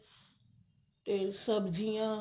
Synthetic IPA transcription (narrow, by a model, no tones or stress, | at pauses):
t̪esəbd͡ʑijã